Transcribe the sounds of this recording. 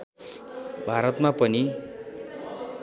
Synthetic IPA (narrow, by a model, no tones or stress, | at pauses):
bʱaɾʌt̪mapʌni